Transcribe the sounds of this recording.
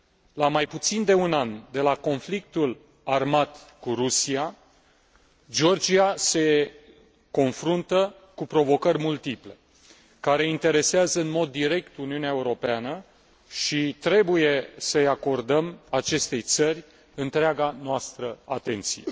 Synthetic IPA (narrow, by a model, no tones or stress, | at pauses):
lamajput̪sind̪e̞unand̪e̞lako̞nflik̚t̪ul | armat̪kuɾusia | d͡ʒo̞rd͡ʒiase̞ | ko̞nfɾunt̪ə | kupɾo̞vo̞kərʲmult̪iple̞ | kaɾe̞int̪e̞ɾe̞seazəɨnmo̞d̪ːiɾe̞kt̪uniuneaeuɾo̞peanə | ʃit̪ɾe̞buje̞səjako̞rd̪əmat͡ʃe̞st̪e̞jt̪sərʲ | ɨnt̪ɾeaɡanoast̪ɾəa̰t̪e̞nt̪sḭjḛ